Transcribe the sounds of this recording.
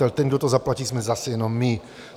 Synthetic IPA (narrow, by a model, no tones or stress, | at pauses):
ɛlt̪ɛnɡd̪ɔt̪ɔzaplaciːzmɛzasɛjɛnɔmːi